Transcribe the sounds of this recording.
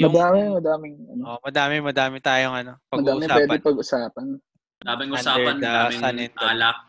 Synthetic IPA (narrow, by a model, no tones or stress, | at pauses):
jmɐʊd̪aːmɪmɐd̪aːmɪŋʔɐ̰noʔomɐd̪aːmɪmɐd̪aːmɪt̪aːjoŋɐno̞pɐɡmɐd̪aːʔmɪsaːpwɛːd̪ɪpɐɡʔʊsaːpɐn | mɐd̪aːmɪŋʔʊsaːɛɐnd̪ɐadamɪsɐnɛndʔ̪ːlɐ